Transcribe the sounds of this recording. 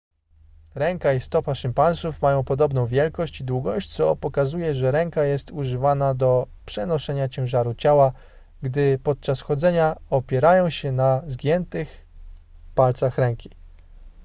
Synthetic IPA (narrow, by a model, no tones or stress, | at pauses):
ɾɛŋkaist̪ɔpaʂɘmpanʂufmajɔ̃w̃pɔd̪ɔbnɔ̃w̃vʲjɛlkɔɕt͡ɕid̪wuɡɔɕt͡ɕt̪sɔpɔkazujɛʐɛɾɛŋkajɛst̪uʐɘvanad̪ɔ | pʂɛnɔʂɛɲat͡ɕɛ̃w̃ʐaɾut͡ɕawa | ɡd̪ɘpɔt̪̚t͡ʂasxɔd̪zɛɲaɔpʲjɛɾajɔ̃w̃ɕɛnazɡʲjɛnt̪ɘx | palt̪saxɾɛŋkʲi̥